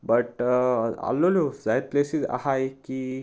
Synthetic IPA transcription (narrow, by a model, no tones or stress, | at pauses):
bəʈ | a̰lːolod͡zajt̪̚plesid͡za̰hajki